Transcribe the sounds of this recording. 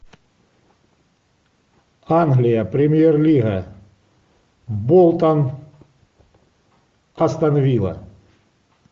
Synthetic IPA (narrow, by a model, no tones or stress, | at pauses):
anɣlʲɪjəpɾʲemʲjerlʲiɣɐ | bolˠt̪an | ɐst̪ɐnavʲilˠɐ̰